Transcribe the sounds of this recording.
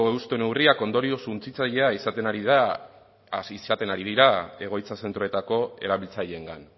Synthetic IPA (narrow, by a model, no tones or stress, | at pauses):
oeust̪o̞ne̞wriako̞nd̪o̞ɾio̞sunt͡sit͡saʎe̞aisat̪e̞naɾiðiða | isat̪e̞naɾiðiɾae̞ɣ̞o̞jt͡sase̞nt̪ɾo̞e̞t̪ako̞e̞̰ɾaβilt͡saʎe̞ŋɡa̰n